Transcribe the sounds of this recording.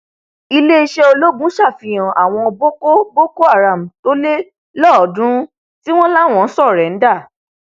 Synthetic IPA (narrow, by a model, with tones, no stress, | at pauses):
i˧le˦i˧ʃe˦o˧lo˦bũ˨˦ʃa˦˨fĩ˨j̃ã˨ʔa˨w̃ɔ̃˧bo˦ko˦bo˦ko˦a˦˨ɾa˨m̩˨to˨˦le˦ | lɔ˦˨dũ˦ | ti˦w̃ɔ̃˦la˦˨w̃ɔ̃˨˦n̩˦sɔ˦˨ɾɛ˨˦n̩˦da˦˨